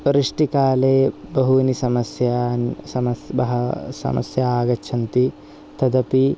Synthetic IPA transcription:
ɾiʂʈikaːleːbɐɦunisɐmɐsjansɐmɐbɐɦɐsɐ̰mɐ̰sjɐaːɡɐt͡ʃʰɐnt̪i | t̪ɐd̪ɐpi

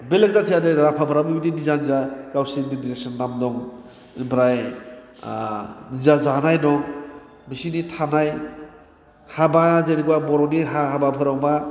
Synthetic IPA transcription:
belek̚zatʰijadeɾapʰabʰʱaɾamibitinizanizakawsiŋdidiɾek̚sɔnːamdɔŋ | bɾaj | nizazanajnɔŋ | bisinitʰanaj | habazeɾiɡuwabɔɾɔniɦaɦababʰʱɯɾawma

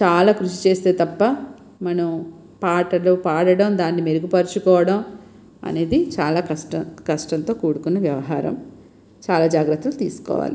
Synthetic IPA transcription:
t͡ʃaːlaːkɾuʃit͡ʃe̞ːst̪e̞ːt̪ɐpːɐ | mɐnɐm | paːʈɐlopaːɽɐɽɐmd̪aːnːimeɾuɡupɐɾut͡ʃukɔːʋɐɽɐm | ɐ̰ne̞ːd̪it͡ʃaːlaːkɐsʈɐkɐʂʈɐnt̪o̞ːkuːɽukunːɐʋjɐʋɐɦaːɾɐ̰m | t͡ʃaːlaːd͡ʒaːɡɾɐt̪ːulut̪ḭːsu̥kɔ̰ːʋa̰ːli

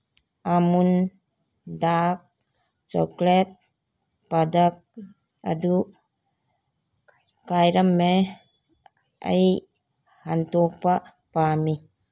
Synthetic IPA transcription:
ʔamun | dak̚ | t͡ʃɔ̰klɛt̪̚ | padak̚ | ʔa̰duʔ | kajɾɐmːe | ʔə̰j | hant̪ɔk̚pa | pami

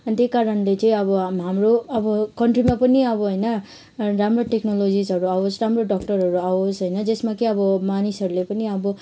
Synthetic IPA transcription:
ʌnit̪ekaɾʌnlet͡sʌ̃ĩʌbʌɦamroʌbʌkʌɳʈrimapʌniʌbʌɦojnʌ | ramroʈeknolod͡zisɦʌɾuaosramroɖʌk̚ʈʌrɦʌɾuaosɦojnʌd͡zesmakeʌbʌmanisʌɾulepʌniʌbʌ

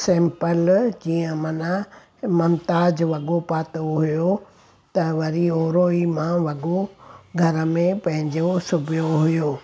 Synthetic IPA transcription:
sẽːmpəld͡ʑiːə̃mɐna | mɐmt̪aːd͡ʑʋɐɠopaːt̪oɦʊjo | t̪ɐʋɐɾioːɾoːimãʋɐɠoɡʱɐɾə̆mẽpɐ̃ɦɪ̃ɲd͡ʑosʊbʱijoɦʊjoː

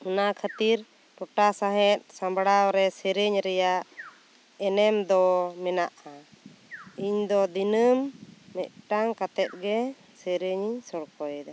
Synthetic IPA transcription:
unakʰat̪iɾ | ʈɔʈasaɦɛt̪̚ˀsãmbɽawɾɛsɛɾeɲɾɛjaʔ | ɛnɛmd̪ɔmɛnaʔa | iɲd̪ɔd̪inəmːɛʔ̪̚ʈaŋkat̪ɛt̪̚ˀɡɛ | sɛɾeɲiɲsɔɽkɔjd̪a

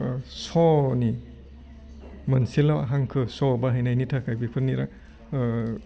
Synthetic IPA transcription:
sɔni | mɯnsilaa̰ɦaŋkʰɯsɔbaɦajnajnitʰakʰajbipʰɯɾniɾa̰ŋ

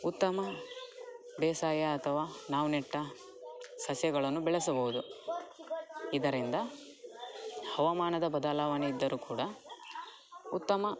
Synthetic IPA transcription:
ut̪ːɐmɐ | bɛːsaːjɐːt̪ʰɐʋaːnaːʋuneʈːɐ | sɐsjɐɡɐɭɐnːubɛɭɐs̬ɐbɐʋud̪u | id̪ɐɾind̪ɐ | hɐʋɐmaːnɐd̪ɐbɐd̪aːlaːʋaniid̪ːɐɾuːkuːɽɐ | ut̪ːɐmɐ

